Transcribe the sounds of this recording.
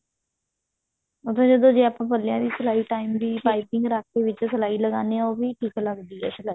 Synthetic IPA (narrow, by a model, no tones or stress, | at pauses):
ʊt̪ʰẽːd͡ʒəd̪õːd͡ʒeːaːpãːpəlɪjãːd̪iːsəlaːiːʈaːimd̪iːpaːipɪ̃ŋɡɾaːk̪ʰeːʋɪt͡ʃsəlaːiːləɡaːneːãoːbiːʈʰiːkləɡd̪iːɛ̰ːsəlaː